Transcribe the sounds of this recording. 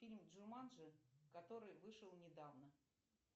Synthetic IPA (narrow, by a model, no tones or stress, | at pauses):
fʲilʲmdʐɨrmanʐɨkɐt̪o̞ɾɨjvɨʂəlˠnʲɪd̪avnə